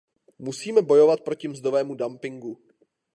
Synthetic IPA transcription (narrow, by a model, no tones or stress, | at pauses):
musiːmɛbo̞jo̞vat̪̚pɾo̞cɪmzd̪ovɛːmudampɪŋɡu